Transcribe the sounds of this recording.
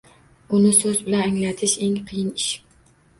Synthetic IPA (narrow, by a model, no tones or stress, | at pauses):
unɪsøzbɪlɛnɛŋlɛt̪ʰɪʃeŋqʰijɪniʃ